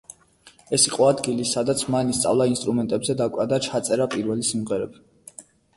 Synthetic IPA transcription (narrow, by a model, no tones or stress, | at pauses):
ɛsiqʼɔad̪ɡilisad̪at̪sʰmanist̪sʼa̰vlˠainst̪ʼɾumɛnt̪ʼɛbzɛd̪akʼad̪at͡ʃʰat̪sʼɛɾapʼiɾvɛlisimʁɛɾɛb